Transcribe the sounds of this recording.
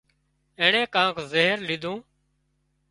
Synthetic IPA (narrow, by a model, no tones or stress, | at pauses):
ẽːɳẽːkãːkʰzeɦəɾlɪd̪ʱũː